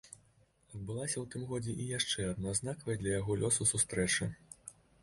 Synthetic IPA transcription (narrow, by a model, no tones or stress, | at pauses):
ɐd̪̚bɨlˠasʲɐwt̪ɨmɣɔd͡zʲɛʔijaʂt͡ʂɛad̪̚naznakɐvɐjd̪lʲɐjaɣɔlʲɔsusust̪ɾɛt͡ʂɨ